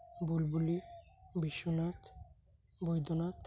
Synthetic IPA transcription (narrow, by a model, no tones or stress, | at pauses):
bulbuli | biʃːonat̪ | bojd̪ʱonat̪